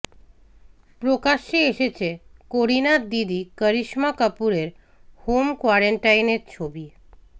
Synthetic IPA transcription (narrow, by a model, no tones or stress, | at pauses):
pɾokaʃːeeʃet͡ɕʰekoɾinad̪id̪ikəɾiʃmakəpuɾeɾ | homkoaɾeɳʈajneɾt͡ɕʰobi